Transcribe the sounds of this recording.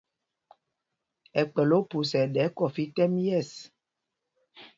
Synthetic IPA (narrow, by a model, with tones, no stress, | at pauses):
ɛ˨k͡pɛ˨lo˦pu˨sɛ˨ɗɛ˨˦kɔ˨fi˦tɛ˦m˦jɛ˦˨s